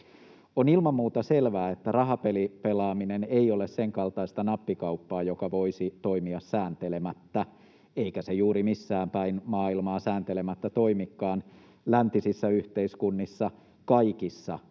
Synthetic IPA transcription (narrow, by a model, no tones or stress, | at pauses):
onilmɑmːuːt̪ɑselʋæːet̪ːærɑɦɑpelipelɑːmineneiolesseŋkɑlt̪ɑist̪ɑnɑpːikɑupːɑːjokɑʋoisit̪oimiɑssæːnt̪elemæt̪ːæ | eikæsejuːɾimisːæːmpæinmɑːilmɑːsæːnt̪elemæt̪ːæt̪oimikːɑːn | lænt̪isisːæyht̪eiskunːisːɑ | kɑikisːɑ